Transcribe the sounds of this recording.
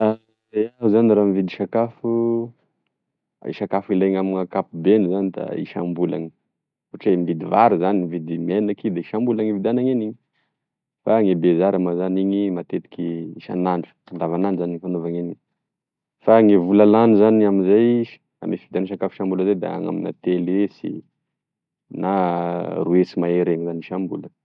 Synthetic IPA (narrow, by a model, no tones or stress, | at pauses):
a | zejaɦuzaniɾamivid̪iʃakafu | ḭʃakafileŋamiŋakapubenizanid̪a̰ḭʃa̰mbula̰ŋi̥ | oʈ͡ʂembid̪ivaɾzanimivid̪imenakid̪eiʃambulaŋivid̪anaŋeniɲi | faŋebezaɾamazaniɲimat̪et̪i̥kʲiiʃa̰naɳɖ͡ʐu̥ | and̪avananɖ͡ʐzaniŋifanovaŋeniɲ | faŋevulalanuzaniaminzajiʃ | a̰mefid̪anʃ̬akafi̥ʃambuləzajd̪a̰a̰ŋa̰mina̰t̪elesḭ | naruesimaeɾeŋzaniʃambula